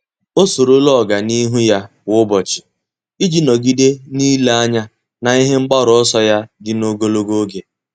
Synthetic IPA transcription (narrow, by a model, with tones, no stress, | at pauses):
o˦so˨ɾo˦lɔ˦˨ɡa˨ni˦ɦu˦ja˦ | wʊ˦bɔ˨t͡ʃɪ̥˨ | i˦d͡ʒi˨nɔ˨ɡi˦de˦ni˦la˦ɲa˦ | na˨i˦ɦe˦ŋ͡m̩˦ɡ͡ba˦ɾɔ˨ɔ˦sɔ˦ja˦dɪ˦no˦ɡo˦lo˦ɡo˦ɡe˨